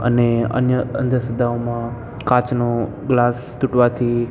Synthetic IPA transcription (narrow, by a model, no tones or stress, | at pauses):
ə̰neə̰njəə̰̃nd̪ʱəɾsəd̪ʱaomã | kãt͡ʃno | ɡlaːs | t̪ʊʈʋat̪ʰi